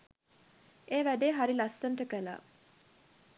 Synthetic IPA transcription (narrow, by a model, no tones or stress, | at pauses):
eːʋæɖeːɦaɾilɐsːɐnʈəkəla̰ː